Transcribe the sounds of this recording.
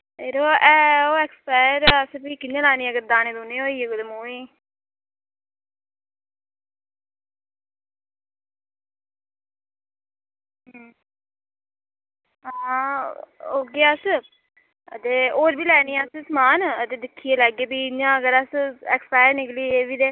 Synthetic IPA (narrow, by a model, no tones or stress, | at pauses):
eːɾoːɛːoːɛːkspɛːɾəspiːkɪnːãːlɛːniːəɡəɾd̪aːneːd̪oːneːoːiːeɡʊd̪əmuːiː | ɦ | a | oːɡeaəs | ə̰t̪eːoːɾbiːlɛːniːɛəsəsmaːnət̪eːd̪ɪkʰːiːelɛːɡeːbiːɲãːəɡəɾəsɛkspɛːɾnɪkliːeːbiːd̪eː